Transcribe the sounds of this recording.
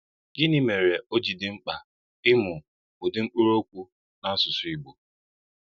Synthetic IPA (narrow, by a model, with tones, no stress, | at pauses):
ɡɪ˦ni˦me˨ɾe˨o˦d͡ʒi˨dɪ˨ŋ͡m̩˦k͡pa˨ | ɪ˦mʊ˨ | ʊ˨dɪ˦ŋ͡m̩˦k͡pu˦ɾo˦kʷu˦ | na˦a˦sʊ˨sʊ˨i˨ɡ͡bo˨